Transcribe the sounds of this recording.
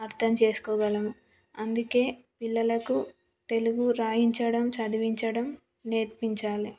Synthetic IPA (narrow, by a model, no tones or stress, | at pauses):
ɐɾt̪ʰɐmt͡ʃe̞ːsu̥kɔːɡɐlɐmu | ɐnd̪uke̞ː | pilːɐlɐku | t̪e̞luɡuɾaːjiɲt͡ʃɐɽɐmt͡ʃɐd̪iʋiɲt͡ʃɐɽɐm | neːɾpiɲt͡ʃaːli